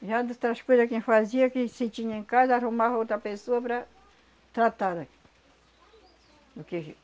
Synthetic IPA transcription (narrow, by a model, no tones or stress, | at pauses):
ʒad̪ut̪ɾɐskojzɐkẽj̃faziɐkɪset͡ʃĩɲɐ̃ẽŋkazɐaɾumavɐot̪ɾɐpesoɐpɾɐ | t̪ɾat̪ad̪aki̥ | d̪ʊke